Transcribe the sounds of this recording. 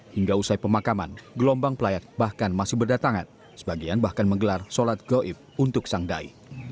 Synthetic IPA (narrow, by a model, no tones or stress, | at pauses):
hiŋɡausajpəmakama̰nɡəlɔmbaŋpəlajat̪̚bahkanmasɪhbərdat̪aŋa̰n | sə̥baɡianbahkanməŋɡəlarsolat̪̚ɡ̥ɔʔɪp̚unt̪ʊksaŋda̰ḭ